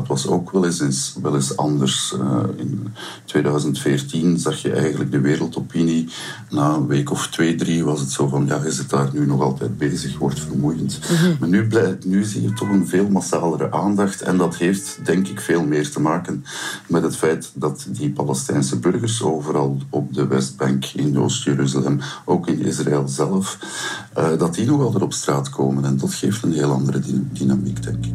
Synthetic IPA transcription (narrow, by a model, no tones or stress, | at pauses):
tʋɑso̰ːkʋɛlɪssʋɛlɪsɑ̰ndərsəɪ̰ntweːdœɥzəntfeːrtinzɑxjəʔɛ̰jɣəndləɡ̚dəʋeːɾəlˠtɔpini | naːənʋeːkɔftweːdriʋɑsətsoːvɑnjaːɪzət̚d̥aːrnynɔɣɑlˠtɛjd̚beːzəxʋɔrtfərmujəntmaːrnyblɛnyzijətʰɔxənveːlˠmasaːləɾə̰ʔaːndɑxtɛ̰ndɑtɦeːftdɛŋkɪkfeːlˠmeːrtəmaːkənmɛtɦətfɛjtdɑtdipɑlɛstɛjnsəbɵrɣərsoːvəɾɑlˠɔp̚dəwɛzd̚bɑŋkɪnjo̰stjeɾyzalɛmoːkɪnɪ̰zra̰ɛlˠzɛləf | ədɑtinɔɣɑlˠdəɾɔpstraːtkʰoːmənɛndɑtxeːftənɦeːlˠɑ̰ndəɾəddinamikdɛŋkɪ̥k